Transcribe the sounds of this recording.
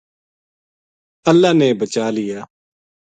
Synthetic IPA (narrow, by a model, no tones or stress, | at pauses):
əlːaːneːbət͡ʃaːlɪjaː